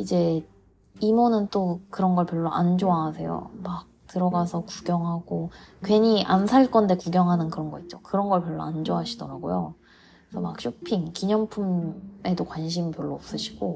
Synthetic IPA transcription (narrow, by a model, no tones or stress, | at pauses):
id͡ʑe̞ | imonɯnt͈okɯɾʌnɡʌɭpjʌɭːoʔand͡ʑoaːsʰe̞jo̰mak̚tɯɾʌɡasʰʌkuɡjʌŋɦaɡ̥okwe̞ɲiʔansʰaɭk͈ʌnde̞kuɡjʌŋɦanɯnkɯɾʌnɡʌit̚t͡ɕ͈okɯɾʌnɡʌɭpjʌɭːo̰and͡ʑoɦaɕʰidʌɾaɡojo̰ | sʰʌma̰k̚ɕ͈ʰuk̚pʰiŋkiɲʌŋpʰume̞dokwanɕʰimpjʌɭːoːp̚s͈ɯɕʰi̥ɡ̥o